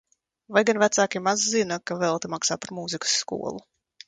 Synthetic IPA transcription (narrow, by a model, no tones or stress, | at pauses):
vajɡanvæt̪saːkʲimazːinakavɛlˠt̪imaksaːpaɾmuzikə̥sːkṵɔ̰lˠu